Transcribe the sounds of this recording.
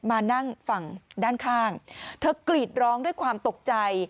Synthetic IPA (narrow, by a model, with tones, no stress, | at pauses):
maː˧na˥˩ŋfa˨˩ŋdaː˥˩nkʰaː˥˩ŋt̪ʰɤː˧˥kli˨˩t̪̚ɾɔː˦˥ŋdu˥˩əjkʰwaː˧mt̪o˨˩k̚t͡ɕa˧j